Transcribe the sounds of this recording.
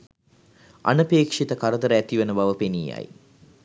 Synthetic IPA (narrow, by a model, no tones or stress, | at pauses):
a̰nəpeːkʂit̪əkaɾəd̪əɾəæt̪iʋənəbaʋəpeniːa̰j